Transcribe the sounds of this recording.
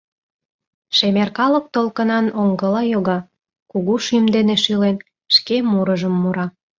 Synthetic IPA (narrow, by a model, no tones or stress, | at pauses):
ʃemerkɑlə̆k̚t̪olkənɑnoŋɡə̆lɑjoɣɑ | kuɣuʃymd̪eneʃilen | ʃkemuɾəʒəmːuɾɑ